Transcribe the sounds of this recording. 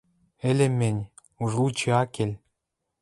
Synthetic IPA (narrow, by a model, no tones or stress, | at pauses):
ɘ̆lʲĕmʲenʲ | uʐlut͡ɕeɑkelʲ